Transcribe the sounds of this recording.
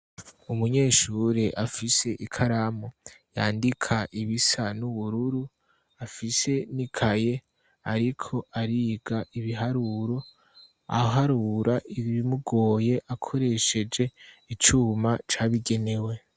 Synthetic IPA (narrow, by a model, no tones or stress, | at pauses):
umuɲe̞ːʃuːɾeʔafise̞ʔikʰaɾamoja̰ːndikʰaʔiβisanuβuɾuɾu | afise̞nikʰaje̞ | aɾikʰo̞ʔaɾiːɡaʔiβiɦaɾuɾo̞ | a̰ɦaɾuɾaʔiββimuɡo̞ːje̞ʔakʰo̞ɾe̞ʃe̞d͡ʒe̞it͡ʃuːmat͡ʃaβiɡe̞ne̞we̞